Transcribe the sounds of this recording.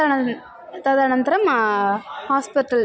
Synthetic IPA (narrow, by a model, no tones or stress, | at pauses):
t̪ɐðaːnɐnd̪ɪɾɐm | haːspɪʈːɐl